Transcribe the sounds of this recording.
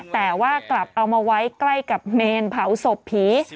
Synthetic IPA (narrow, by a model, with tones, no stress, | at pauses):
t̪ɛː˨˩waː˥˩kla˨˩p̚ʔa˧wmaː˧wa˦˥jkla˥˩jka˨˩p̚neː˧npʰa˩˦wso˨˩pʰiː˩˦